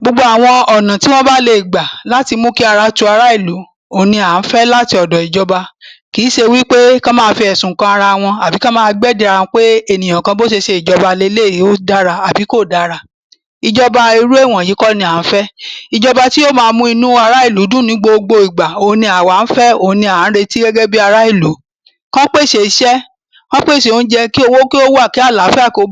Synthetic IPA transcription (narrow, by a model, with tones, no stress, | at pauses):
ɡ͡bo˧ɡ͡bo˧˦a˨w̃ɔ̃˧ɔ˨nã˨ti˦w̃ɔ̃˦ba˦le˧i˨ɡ͡ba˨la˦ti˧mũ˦ki˦a˧ɾa˧tu˧˦a˧ɾa˦i˦˨lu˨˦ | o˨nĩ˧a˨n̩˦fɛ˦la˦ti˧˦ɔ˨dɔ˨i˨d͡ʒɔ˧ba˧ki˨˦ʃe˧wi˦k͡pe˦kã˦mãː˦˧˦fi˧ɛ˨sũ˨kã˦a˧ɾa˧w̃ɔ̃˧a˨bi˨˦kã˦mãː˦˧ɡ͡bɛ˦˨di˧a˧ñ˧˦k͡pe˦e˦˨nĩ˨j̃ã˨kã˧bo˦ʃ̬e˧ʃe˧i˨d͡ʒɔ˧ba˧le˧˦le˦˨ji˨˦o˦da˦ɾa˧a˨bi˨˦ko˦˨da˦ɾa˧ | i˧d͡ʒɔ˧ba˧i˧ɾu˦e˦˨w̃ɔ̃˨i˨˦kɔ˦nĩ˧a˨n̩˦fɛ˦i˧d͡ʒɔ˧ba˧ti˦o˦mãː˧˦mũ˦i˧nũ˦a˧ɾa˦i˦˨lu˨˦dũ˦nĩ˨˦ɡ͡bo˧o˧ɡ͡bo˧i˨ɡ͡ba˨o˨˦nĩ˧a˨wa˨˦n̩˦fɛ˦o˨˦nĩ˧ã˨˦ɾe˧ti˦ɡɛ˦ɡɛ˦bi˦a˧ɾa˦i˦˨lu˨˦ | kã˦k͡pe˦˨ʃe˧˨i˨˦ʃɛ˦ | kã˦k͡pe˦˨ʃe˨o˨˧n̩˦d͡ʒɛ˧ki˦o˧wo˦ki˦o˦wa˦˨ki˦a˦˨la˨˦fɛ˦a˦˨ko˧˦